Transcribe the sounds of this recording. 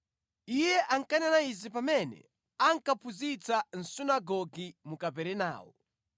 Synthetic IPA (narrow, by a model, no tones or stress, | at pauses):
ijɛʔaŋkananaizipamɛnɛ̰ | aŋkapʰuzit͡san̩sunaɡɔɡimukapɛɾɛna̰ːwɔ